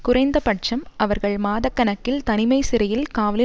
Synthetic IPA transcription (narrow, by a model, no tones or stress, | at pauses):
kʊrɐɪnd̪ɐpɐʈ̚t͡ʃɐmʔɐʋɐɾɣɐɭmaːðɐkːɐnɐkːɪlt̪ɐnɪmɐɪsɪɾɐjɪlkaːʋɐlɪ